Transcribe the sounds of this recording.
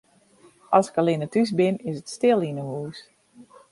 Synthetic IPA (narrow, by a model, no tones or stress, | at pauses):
ʔɔsɪ̥kəlɪnətys̬bɪnɪsətstɪlˠinəhuːs